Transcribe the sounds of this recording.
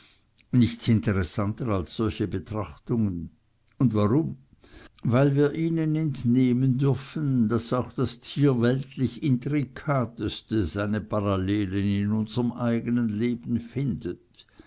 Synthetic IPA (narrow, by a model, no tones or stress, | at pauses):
nɪçt͡sɪnteʁesantəʁalsɔlçəbətʁ̥aχtʊŋən | ʊndvaʁʊm | vaɪlviːɐʔiːnənɛntneːməndʏɐfən̩d̥asaʊxd̥astʰiːɐvɛltlɪçɪntʁikʰaːtəstəz̥aɪnəpʰaʁaleːlənɪnʊnzəʁəmʔaɪɡənənleːbn̩fɪndət